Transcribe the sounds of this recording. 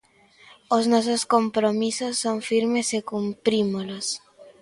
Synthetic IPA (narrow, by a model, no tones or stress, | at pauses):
oznososkompɾomisosːoɱfiɾmesekumpɾimolos